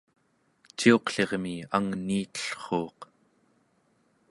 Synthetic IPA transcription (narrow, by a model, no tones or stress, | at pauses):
t͡ʃio̞qɬe̞ʁmiaŋniːt̪ə̥ɬχoːq